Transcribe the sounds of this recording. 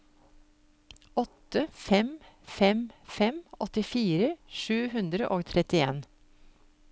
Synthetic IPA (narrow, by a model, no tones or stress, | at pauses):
ʔɔt̪əfɛmfɛmfɛmɔt̪ɪfiːɾəʃʉːhʉnd̪ɾəʔoːɡt̪ʰɾɛt̪ɪḛːn